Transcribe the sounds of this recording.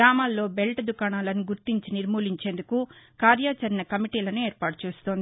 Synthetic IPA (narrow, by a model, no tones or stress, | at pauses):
ɾaːmaːlːo̞ːbelʈɐd̪ukaːnaːlɐnuɡuɾt̪iɲt͡ʃiniɾmuːliɲt͡ʃe̞ːnd̪ukukaːɾjaːt͡ʃɐɾinɐkɐmiʈiːlɐnueːɾpaːʈu̥t͡ʃeːst̪oːnd̪i